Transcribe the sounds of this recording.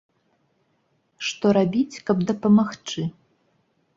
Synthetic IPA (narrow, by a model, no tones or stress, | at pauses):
ʂt̪ɔɾabʲit͡sʲkɐbd̪ɐpɐmaxt͡ʂɨ